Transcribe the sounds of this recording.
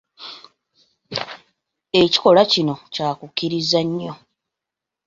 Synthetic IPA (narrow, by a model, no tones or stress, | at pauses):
e̞ci̥ko̞lacino̞caːkukːiɾizaɲːo̞